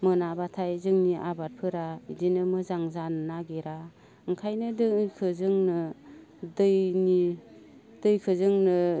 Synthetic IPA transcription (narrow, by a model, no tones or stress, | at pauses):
mɯnabatʰajzɯŋniʔa̰baɾ̚pʰɯɾaidinɯmɯzaŋzannaɡeɾa | ɯŋkʰajnɯdɯkʰɯzɯŋnɯ | dɯjni | d̥ɯjkʰɯzɯŋnɯ